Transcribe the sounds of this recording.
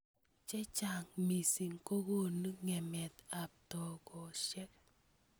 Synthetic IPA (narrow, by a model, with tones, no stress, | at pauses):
t͡ʃɛ˦t͡ʃa˨ŋmi˨si˨ŋko˦ɡo˦˨nu˦ŋɛ˨mɛ˨t̪a˨p̚tɔ˨ɡɔ˨ʃɛ˦k